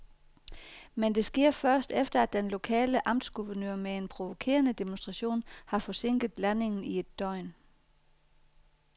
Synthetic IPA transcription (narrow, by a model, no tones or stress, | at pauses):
mend̥e̝sɡ̥e̝ɐ̰fɶɐsd̥efd̥ɐæd̥enlo̝kʰɛ̰ːləʔɑ̈m̰d̥sɡ̥uʋɐnøɐ̰mee̝npʰʁo̝ʋo̝kʰe̝̰ːɐnəd̥emonsd̥ʁɑ̈ɕo̝̰ːnhɑ̈fɒ̽se̝ŋ̰ɡ̥ð̩ˠlæne̝ŋn̩ie̝d̥ːɒɪ̰n